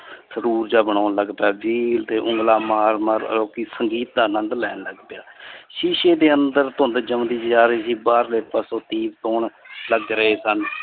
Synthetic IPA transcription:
səɾuːɾd͡ʒaːbəɳ̃aːnləɡpaːd͡ʒiːlt̪eːʔʊŋɡlaːmaːɾməɾə̰loːkiːsəŋɡiːt̪̚d̪aːnənd̪lɛ̰ːnləɡpjaːʃiːʃeːd̪eːənd̪əɾt̪ʊnd̪eːd͡ʒəmd̪iːd͡ʒd͡ʒaːɾiːsiːbaːɾleːpəsoːt̪iːbt̪oːɳləɡɾəɦeːsən

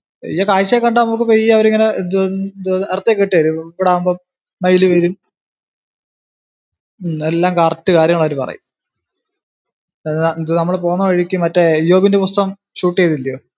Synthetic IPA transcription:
jakaːɻt͡ɕːekːɐɳɖaːɐmuk̬ːɨpejiɐʋɐɾiŋːɐned̪d̪ert̪ːekːeʈːiʋɐɾuiʋiɽeaːumbo | mɐjiluʋɐɾum | elːaːmkaːrtːɨkaːɾjɐŋːɐɭɐɐɾupɐ̰rɐ̰jṵm | nd̪ɨnɐmːɐɭpo̞ːnːɐkɐɻikʲːumːɐtːejo̞ːbindepust̪ɐɣɐm | ɕuːʈːejt̪ilːɐjoː

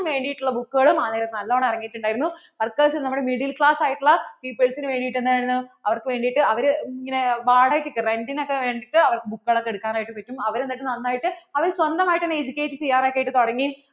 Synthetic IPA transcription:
mʋe̞ːɳɖijiʈːuɭːɐbukːuɣɐɭumaːneːɾɐt̪nɐlːoːɳɐirɐŋːijːʈːuɳɖaːjiɾunːuʋɐrkːɐːsilnɐmːuɽemiɽilkɭaːsaːjiʈːuɭːɐpiːpelsinɨʋe̞ːɳɖijiʈːenːɨkaːɾinːɐɐʋɐrkɨʋe̞ːɳɖijiʈːɨɐʋɐɾiŋːɐne̞ʋaːɽajiʈːikːɨrenɖinokːeʋe̞ːɳɖiʈːɨɐʋɐrkɨbukːɨɣɐɭokːeɽukːaːnaːjiʈːumʋɐtːumɐʋɐɾenːiʈːɨnɐnːaːjiʈːɨɐʋɐɾsʋɐnd̪ɐmaːjiʈːenːeed͡ʑikʲːeːjiʈːɨt͡ɕe̞jːaːnaːjkːaːjiʈːɨt̪oɽɐŋːi

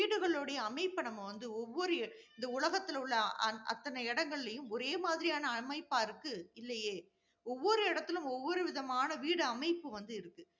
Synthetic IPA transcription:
iːɽɯɣɐɭoːɽɐjɐːmɐɪpːɐɳɐmɐʋɐnd̪ɯɔʋːɔɾɯ | ɪnd̪ɐʊlɐɣɐt̪ːɪlʊɭːɐɐʔɐ̰t̪ːɐnɛɪɽɐŋɡɐɭɪlɐjɯ̃mɔɾeːmaːðɪɾɪjaːnɐːmɐɪpːaːɪɾɯkːɯɪlːɐjeː | ɔʋːɔɾɯɪɽɐt̪ːɪlɯ̃mɔʋːɔɾɯʋɪðɐmaːnɐʋiːɽɯɐmɐɪpːɯʋɐnd̪ɯɪɾɯkːɯ

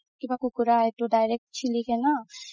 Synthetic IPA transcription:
kibakukʊɾaɛt̪oɖajɾek̚ʈt͡ʃʰilikɛna

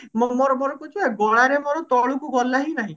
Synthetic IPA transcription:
mɔmɔɾɔmoɾɔkut͡ʃʰueɡɔɽ̃aɾemoɾɔt̪ɔɭukuɡɔlaɦinaɦĩ

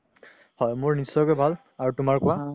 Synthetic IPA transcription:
hɔjmoɹnisɔjkɛbʱal | aɹutʊmaɹkʊwa

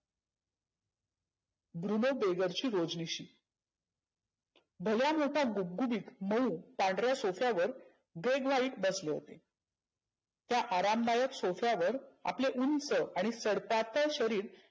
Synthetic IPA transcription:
bɾunobeɡəɾt͡ɕiːɾod͡zniɕiː | bʱəljamoʈʰaɡub̚ɡubiːkməupãɳɖɾjasofjaʋəɾ | ɡeɡʋaiːʈbəsleɦo̰t̪e | t̪jaʔaɾamlajəksofjaʋəɾa̰pleʔunsəʔaɽ̃isəɽpat̪əɕəɾiːɾ

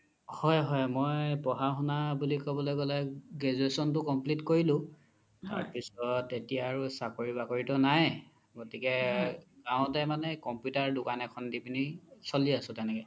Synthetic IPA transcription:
hɔjɦɔjmɔjpɔɦaxunabulikɔbɔlojɡɔlɛɡezuɹesɔntʊkɔmplitkoɹilʊ̃ | ta̰ɹpisɔtetijaːɹusakoɹibakoɹitɔnaj | ɡotikɛɡ̥ãʊ̃tɛmanɛkɔmpjutaɹdʊkanɛkʰɔndipinisoliasʊ̃tɛnɛkɛ

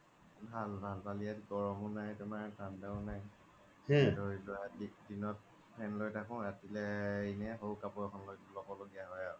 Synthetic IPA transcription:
bʱalbʱalpaliatɡɔɹɔmunajtɛmaɹtandaʊnaj | hɛlojlɔjadidinɔt̚ | pʰɛnlojtʰakɔ̃atilɛinɛɦowkapɔɹɛkʰɔnlojlɔbɔloɡijaɦɔja

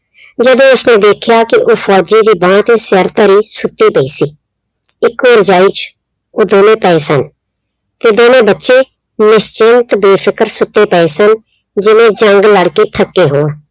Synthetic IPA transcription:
d͡ʒəd̪õːʊsneːd̪eːkʰjaːkɪʔoːfʰɔːd͡ʒiːd̪iːbãːt̪eːseɾt̪əɾiːsʊt̪ːiːpəiːsiː | ɪkoːɾd͡ʒaːiːt͡ʃ | oːd̪oːnẽːpɛːeːsən | t̪eːd̪oːnẽːbətːʃeː | nɪst͡ʃɪnt̪beːfʰɪkəɾsʊt̪ːeːpɛeːsən | d͡ʒɪʋẽːd͡ʒəŋɡləɽkeːt̪ʰəkːeːɦoːãː

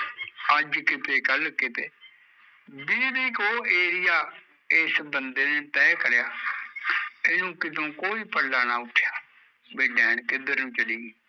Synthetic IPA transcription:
əd͡ʒkɪt̪eːkəlkɪt̪eː | biːdiːkoːeːɾɪjaː | eːsbənd̪eːneːt̪ɛːkəɾjaː | eːnũːkɪt̪õːkoːiːpəlːaːnaːʊʈʰːjaː | beːɖɛːɳkɪd̪əɾnũːt͡ʃəɽiːɡɛː

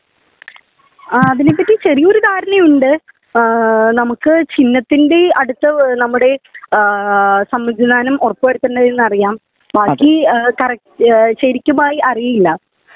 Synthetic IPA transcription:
ɐðinep̬ːɐtːit͡ɕɐrijo̞ɾud̪ʱaːɾɐnɐjuɳɖɨ | nɐmukːɨt͡ɕinːɐt̪ːinde̞ɐɽut̪ːɐnɐmːuɽe̞ | sɐmːɐd͡ʑʱinaːnumorɐpːoʋɐɾut̪ːɐnːɐðenːɐrijaːm | bʱaːkʲːikɐrɐkɕɐɾikʲːumaːjiʔɐrijɐjilːɐ

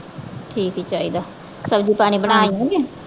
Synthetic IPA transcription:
ʈʰiːkɦit͡ʃaːɦiːd̪aː | səbd͡ʒipaːɽ̃ibəñaːĩɡe

